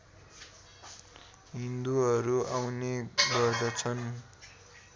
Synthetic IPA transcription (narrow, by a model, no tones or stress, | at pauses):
ɦind̪uɦʌɾuawneɡʌrd̪ʌt͡sʰʌn